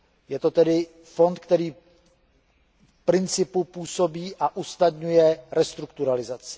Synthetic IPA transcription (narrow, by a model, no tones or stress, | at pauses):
jɛt̪o̞t̪ɛdɪ | fo̞nt̪kt̪ɛɾiː | pɾɪnt͡sɪpupuːso̞biːʔaʔusnad̪ɲujɛɾɛst̪ɾukt̪uɾalɪzat͡sɪ̥